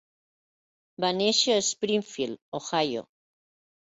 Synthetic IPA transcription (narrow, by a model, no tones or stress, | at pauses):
baneʃoespɾiɱfiloxajo̰